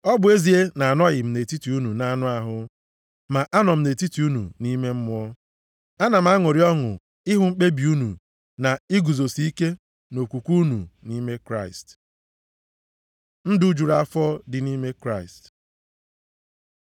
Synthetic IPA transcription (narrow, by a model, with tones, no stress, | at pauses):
ɔ˦bʊ˨˦e˦zi˨e˦na˨a˨nɔ˦ɣɪ˨m̩˨ne˨ti˦ti˨u˦nu˨na˦a˦nʊ˦a˨ɦʊ˦ | ma˨ʔa˦nɔ˨m̩˨ne˨ti˦ti˨u˦nṵ˨ni˦me˦m̩˦m˦ɔ˦ | a˦na˨m̩˦a˦ŋʊ˨ɾi˨ɔ˦ŋʊ̰˨ | ɪ˦ɦʊ˨ŋ͡m̩˦k͡pe˦bi˨u˦nṵ˨ | na˨ɪ˦ɡu˨zo˨si˦i˦ke˦ | no˨kʷu˨kʷu˦nṵ˨ni˦me˦kɾa˦˨ɪ˨st | n̩˦dʊ˦d͡ʒu˨ɾa˨fɔ˦dɪ˨ni˦me˦kɾa˦˨ɪ˨st